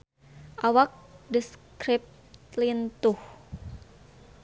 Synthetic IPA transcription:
ʔawak̚dəskɾip̚ | t̪lint̪uh

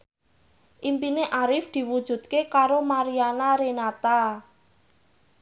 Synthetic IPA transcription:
ʔimpineʔaɾɪfd̪̥i̤wud̥ʒ̥ṳd̪̚kekaɾomaɾianaɾenat̪a

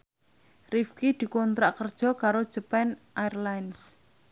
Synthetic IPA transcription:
rifkid̪̥i̤kɔnt̪ɾaʔkərd̥ʒ̥ɔ̤kaɾod̥ʒ̥əpɛnʔaɛrlajns

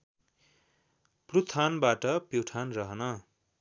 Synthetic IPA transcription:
prut̪ʰanbaʈʌpewʈʰanrʌɦʌnʌ

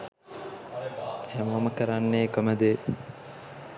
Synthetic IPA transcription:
hæmʋɐməkɐɾanːeːkəməd̪e

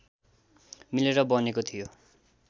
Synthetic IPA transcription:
mileɾʌbʌnekot̪ʰijo

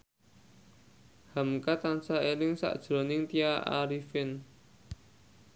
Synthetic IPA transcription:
hamkat̪ansaelɪŋsa̰ʔd̥ʒ̥ɾɔnɪŋt̪iaʔa̰ɾifɪn

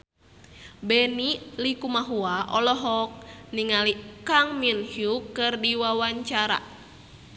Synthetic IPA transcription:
bɛnilikumaɦuaʔɔlɔɦɔk̚niŋalikaŋminhjukɨrdiwawaɲt͡ʃaɾa̰

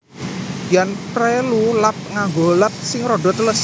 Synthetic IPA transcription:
janprelulap̚ŋaŋɡolat̪̚sɪŋɾoɖɔ̤t̪ləs

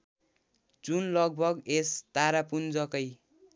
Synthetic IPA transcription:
d͡zunlʌɡ̚bʱʌɡest̪aɾapund͡zʌkʌj

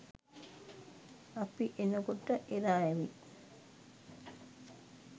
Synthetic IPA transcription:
ɐpiʔenɐkuʈːɐʔeɾaːeʋi

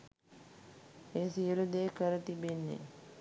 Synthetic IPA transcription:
eːsijəlud̪eːkəɾət̪ibenːḛ

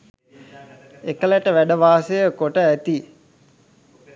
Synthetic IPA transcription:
ekəlæʈəʋæɖəʋaːsejəkoʈəæt̪i

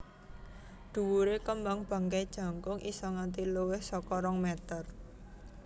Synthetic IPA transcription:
d̪̥ṳwuɾekəmbaŋb̥a̤ŋkad̥ʒ̥a̤ŋkʊŋʔisɔŋant̪̬iluwɪhsɔkɔɾɔŋmɛt̪ər

